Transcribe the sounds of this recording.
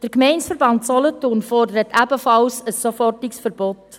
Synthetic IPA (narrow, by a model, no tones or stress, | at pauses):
d̥əɾkmɛɪnsfəɾbɑntsɔlɔtoːnfɔrdəɾətʰæbəfɑlsəsːofɔrtɪksfəɾbɔt